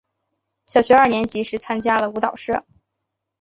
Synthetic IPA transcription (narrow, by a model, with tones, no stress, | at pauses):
ɕjɑ˨˩ʊɕɥɛ˧˥ɐ˞˥˩njɛ˧˥nt͡ɕi˧˥ʂɻ̩˥t͡sʰa˥nt͡ɕja˥lə˨u˧˥t̪ɑ˨˩ʊʂɻɤ̰˥˩